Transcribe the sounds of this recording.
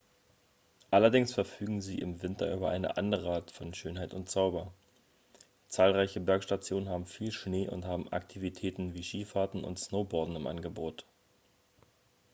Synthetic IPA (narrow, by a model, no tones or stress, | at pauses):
ʔalɐdɪŋsfɛɐfyːɡŋ̩ziːʔɪ̰mvɪntɐʔyːbɐʔa̰ɪnə̰ʔa̰ndəʁəʔaɐtfɔnʃøːnɦaɪtʊntt͡saʊbɐ | t͡saːlʁaɪçəbɛɐkʃtat͡sjoːnənhaːbm̩fiːlʃneːʔʊ̰nthaːbm̩a̰ktʰivitʰɛːtn̩viːʃiːfaɐtn̩ʊ̰ntsnoʊbɔɐdn̩ɪmʔa̰nɡəboːt